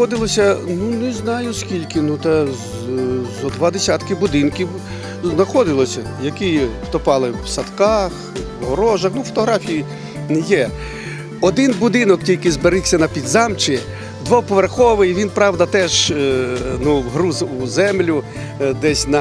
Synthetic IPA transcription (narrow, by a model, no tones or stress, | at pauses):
ɔd̪ɪlˠɔsʲɐnunɛznɑjʊskʲilʲkɪnut̪ɐ | zɔd̪ʋɑd̪esʲat̪kɪbʊd̪ɪnkʲiw | znɐxɔd̪ɪlˠɔsʲɐ | jɐkit̪ɔpɑlˠɪwsɐt̪kɑx | ɦɔɾɔʒɐxnufɔt̪ɔɦɾɑfʲiji | njɛ | ɔd̪ɪnbʊd̪ɪnɔktʲilʲkɪzbeɾɪsʲɐnɐpʲid̪zɑmt͡ʃɪ | d̪ʋɔpɔʋerxɔʋɪjʋʲinpɾɑʋd̪ɐt̪ɛʒ | nuɦɾuzuzɛmlʲʊ | d̪ɛsʲnɐ